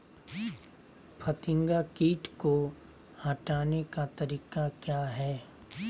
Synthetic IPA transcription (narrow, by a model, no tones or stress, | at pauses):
pʰɐt̪ɪ̃ŋɡakiːʈko | hɐʈaːnekat̪ɐɾiːkakjaːɦɛː